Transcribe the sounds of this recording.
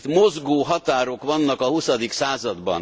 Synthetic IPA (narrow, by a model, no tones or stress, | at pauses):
t̪mozɡoːɦɒt̪aːɾo̞kʋɒnːɒkɒhusɒd̪iksaːzɒd̪bɒ̰n